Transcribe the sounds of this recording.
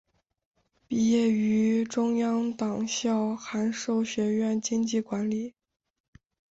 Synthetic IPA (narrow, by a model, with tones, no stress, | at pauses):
pi˥˩jɛ˥˩y˧˥ʈ͡ʂʊ˥ŋjɑ˥ŋt̪ɑ˨˩ŋɕjɑ˥˩ʊxa˧˥nʂo˥˩ʊɕɥɛ˧˥ɥɛ˥˩nt͡ɕi˥ŋt͡ɕi˥˩kwa˧˥nli˨˩˦